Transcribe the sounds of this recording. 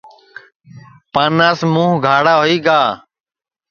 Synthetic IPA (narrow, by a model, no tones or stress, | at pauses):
paːnaːsmũːɦɡʱaːɽaːɦoiːɡaː